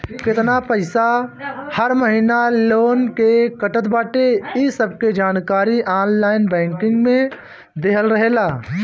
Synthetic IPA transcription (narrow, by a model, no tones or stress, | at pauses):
kɪt̪napəɪsahəɾməɦinaloːnkekəʈət̪baːʈeisəb̚ked͡ʒaːnkaːɾiʔaːnlaːɪnbɛ̃ːŋkɪ̃ŋɡmẽ | d̪eːɦəlɾəɦeːlaː